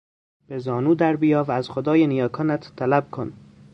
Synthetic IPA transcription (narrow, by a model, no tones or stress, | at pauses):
b̥ezɒːnuːd̪æɾbijɒːvææzχod̪ɒːjenijɒːkʰɒːnæt̪ːʰælæb̥̚kʰon